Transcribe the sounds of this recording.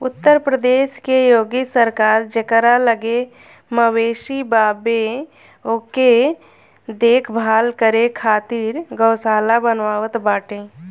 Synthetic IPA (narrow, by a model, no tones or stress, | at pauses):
ʊt̪ːəɾpɾəd̪eːʃkejoːɡisəɾkaːɾd͡ʒəkəɾaləɡe | məweːʃibaːbe | oke | d̪eːkʰbʱaːlkəɾekʰaːt̪iːɾɡəʊsaːlabənʋaːʋət̪baːʈẽː